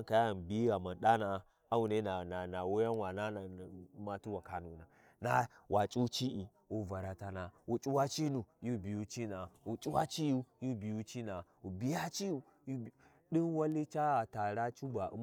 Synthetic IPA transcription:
ka˨ja˦˨nbi˦a˨ma˨nɗa˦na˨ | a˦wu˨ne˦na˨na˨na˨wo˦ja˦n˦wa˨na˦na˨˦ma˨tu˦wa˨ka˨nu˨na˨ | na˦wʔa˨t͡ʃʼu˦t͡ʃi˦ʔi˨ | wu˨va˨ɾa˨ta˦na˨u˨t͡ʃʼu˦wa˦t͡ʃi˦nu˨ju˦bi˨ju˦t͡ʃi˦na˨u˨t͡ʃʼu˦wa˦t͡ʃi˦ju˦ju˦bi˨ju˦t͡ʃi˦na˨u˨bi˦ja˦t͡ʃi˦ju˨ | ju˦˨ | ɗi˦nwa˦li˦t͡ʃa˦a˨ta˨ɾa˦t͡ʃu˦ba˨ṵ˦m

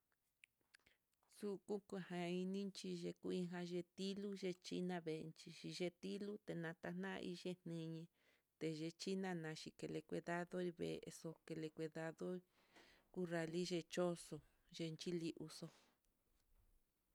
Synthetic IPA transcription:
su˦kũ˦ku˧˨hã˧i˧nĩ˦nt͡ʃi˧ʒe˧ku˧ĩ˧ɦã˧ʒe˧t̪i˦lu˦ʒe˧t͡ʃi˦nã˧βe˨˧nt͡ʃi˧ʃi˧ʒe˧t̪i˦lu˦t̪e˨nã˧t̪a˧nã̰˦˧ḭ˧ʒe˦n̥nĩ˧ɲẽ˧ | t̪e˨ʒe˧t͡ʃi˦nã˧nã˨˧ʃi˧ke˧le˧kʷe˧ða˦ðo˦i˧βḛ˨ḛ˧so˧ke˧le˧kʷe˧ða˧ðo˦ | ku˦ra˧li˦ʒe˧t͡ʃo˦so˧ | ʒe˧nt͡ʃi˦li˧ʔu˧so˧

